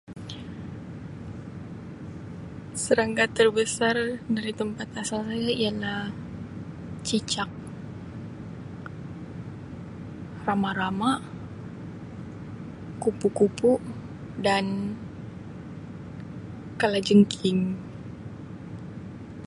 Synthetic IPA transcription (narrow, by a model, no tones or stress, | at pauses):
səɾaŋkat̪ərbəsardaɾit̪əmpat̪asalsajaialah | t͡ʃit͡ʃak̚ | ramaɾama | kupukupu | dan | kalad͡ʒəŋkʰɪŋ